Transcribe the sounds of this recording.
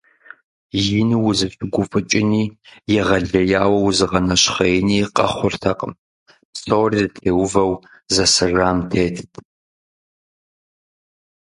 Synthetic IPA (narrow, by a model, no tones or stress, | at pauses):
jɪnɨwʊzɨɕʼɪɡʷʊfʼɨt͡ʃʼɪniːjɛʁɐɮɐjaːwɐwzɨʁɐnɐɕχɐjɛniːqʼɐ̰χʷʊrtʰɐqʼə̰m | psowrirtʰeːwʊvɐw | zɐsɨraːmtʰeːtʰtʰ